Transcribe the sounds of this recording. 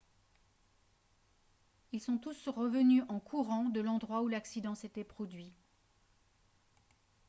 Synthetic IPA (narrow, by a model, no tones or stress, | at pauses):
ilsɔ̃t̪usʁəvənyʔɑ̃kʰuʁɑ̃d̪əlɑ̃d̪ʁwaulaksid̪ɑ̃set̪ɛpχɔd̪ɥi